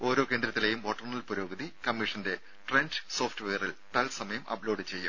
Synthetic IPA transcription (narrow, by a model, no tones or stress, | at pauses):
o̞ːɾo̞ːke̞ːnd̪ɾɐt̪ːile̞jumʋoʈːɐrnɐlpuɾo̞ːɡɐðikɐmːiʂɐnde̞ | ʈrenɖso̞ːfʈɨʋejɐrilt̪ɐlsɐmɐjɐmʔɐ̰bloːɖɨt͡ɕe̞jːum